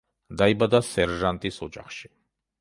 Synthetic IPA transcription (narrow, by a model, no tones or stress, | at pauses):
d̪aibad̪asɛɾʒant̪ʼisɔd͡ʒa̰χʃi̥